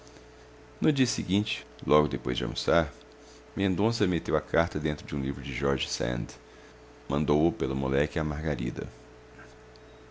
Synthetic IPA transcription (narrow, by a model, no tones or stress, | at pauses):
nʊd͡ʒiɐsiɡĩnt͡ʃɪ̥ | lɔɡʊd̪epojzd͡ʒɪɐ̰̃musaɾ | mẽnd̪õs̬ɐmet̪ewɐkʰaɾt̪ɐd̪ẽnt̪ɾʊd͡ʒɪũlivɾʊd͡ʒɪʒɔɾʒɪsḛ̃nd̪ | mɐ̃nd̪owʊpelʊmolɛkɪamaɾɡaɾḭd̪ɐ̰